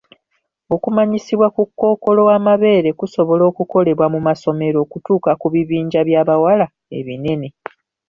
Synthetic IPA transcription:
o̞kumaɲisiβwakukːo̞ːko̞lo̞wamaβe̞ːɾe̞kuso̞βo̞lo̞ːkuko̞le̞βwamumaso̞me̞ɾo̞ːkutuːkakuβiβiːɲɟaβjaːβawala | e̞̰βine̞ne̞

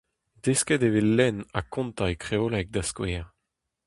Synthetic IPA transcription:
d̪eskɛd̪evelːɛna̰kɔ̃nt̪aekχeolɛk̚d̪askweʁ

